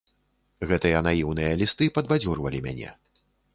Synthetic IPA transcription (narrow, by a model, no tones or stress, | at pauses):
ɣɛt̪ɨjɐːnajiwnɨjɐlʲist̪ɨpɐd̪bad͡zʲurvɐlʲimʲa̰nʲɛ̰